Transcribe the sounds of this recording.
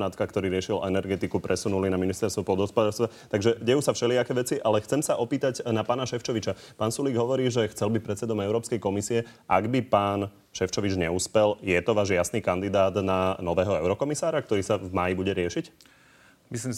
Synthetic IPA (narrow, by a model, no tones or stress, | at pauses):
nat̪kakt̪ɔɾiːɾɪɛʃilɛnɛɾɡɛt̪ikupɾʔɛsunulinaminist̪ɛɾst̪ʋɔpɔld̪ɦɔspɔd̪aːlst̪ʋat̪aɡʒɛɟɛjuːsafʃɛliakɛːʋɛt͡siʔalɛxt͡sɛmsaʔɔpiːt̪aɟnapaːnaʃɛft͡ʃɔʋit͡ʃapaːnsuliːɡɦɔʋɔɾiːʒɛxt͡sɛlbipɾɛt̪t͡sɛd̪ɔmɛʊɾɔːpskɛjkɔmisiɛʔaɡbipaːn | ʃɛft͡ʃɔʋid͡ʒɲɛuspɛljɛt̪ɔʋaːʒjasniːkand̪id̪aːd̪nanɔʋɛːɦɔɛʊɾɔkɔmisaːɾak̚t̪ɔɾiːsavmaːjibuɟɛɾɪɛʃic | misliːm